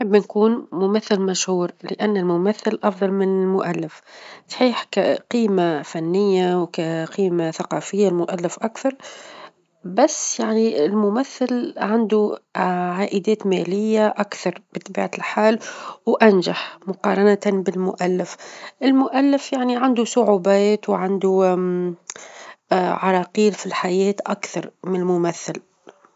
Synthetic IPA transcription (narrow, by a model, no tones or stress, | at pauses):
ħɪbːnkuːnmʊmæθːɪlmæʃhuːɾlɪʔanːɪlmʊmæθːɪlʔɑfðˤɑlmɪnɪlmʊʔælːɪfsˤħiːħkqiːmafanːɪjːawkaqiːmaθaqɑːfɪjːalmʊʔalːɪfʔakθɑɾˤ | basːjaʕniɪlmʊmæθːɪlʕand̪uʕaːʔɪd̪ɛːt̪mɛːlɪjːaʔakθɑɾˤb̥ɪt̪ˤɑbḭːʕalħaːlwʔanʒaħmʊqɑːɾˤɑnat̪bɪlmʊʔalːɪfʔɪlmʊʔalːɪfjaʕniʕand̪usʊʕuːbɛːt̪wʕand̪u | ʕɑɾˤɑqiːlfilħajɛːt̪ʔakθɑɾˤmɪnɪlmʊmæθːɪl